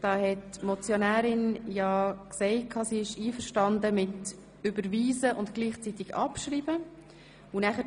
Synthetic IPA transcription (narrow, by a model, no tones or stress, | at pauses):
d̥ɑːhɛtmɔt͡sjonæːɾɪnjɑːksɛɪtkʰɑːsiːɪʃiːfəɾʃtɑndəmɪt | ʏbəɾʋiːzəʔʊntɡ̥liːχt͡sit̪ɪɡɑ̰pʃɾiːbə | unæχə